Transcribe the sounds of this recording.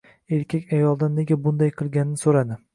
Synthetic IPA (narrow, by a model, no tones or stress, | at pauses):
e̞ɾkʲʰakʲajɒlˠd̪anːe̞ɡʲabʊnd̪ajqʰɨlˠɡʲanɪnɪsoɾad̪ɪ